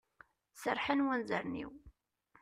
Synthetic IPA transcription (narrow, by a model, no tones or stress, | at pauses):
səɾˤħənwænzəɾnḭw